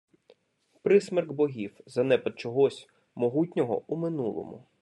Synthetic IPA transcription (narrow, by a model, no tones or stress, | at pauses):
pɾɪsmɛrɡbɔɦʲiwzɐnɛpɐt̪̚t͡ʃɔɦɔsʲ | mɔɦutʲnʲɔɦɔ̰umɪnulˠɔ̰mʊ̰